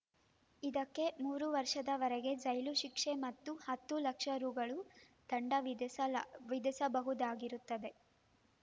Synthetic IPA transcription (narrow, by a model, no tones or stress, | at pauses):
id̪ɐkːe̞muːɾuʋɐɾʂɐd̪ɐʋɐɾeɡe̞d͡ʒɐjluʃikʂe̞mɐt̪ːuhɐt̪ːulɐkʂɐɾuːɡɐɭu | t̪ɐɳɖɐʋ | ʋid̪isɐbɐɦud̪aːɡiɾut̪ːɐd̪e̞